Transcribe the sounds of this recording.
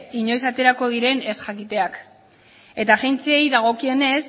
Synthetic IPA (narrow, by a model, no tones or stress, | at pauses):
iɲo̞jsat̪e̞ɾako̞ð̞iɾe̞ne̞sʝakit̪e̞ak | e̞t̪aʝent͡seejðaɣ̞o̞kie̞ne̞s